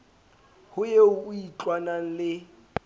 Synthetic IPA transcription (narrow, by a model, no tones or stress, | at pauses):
hʊjeʊːit͡ɬʼwanaŋ̩lɪ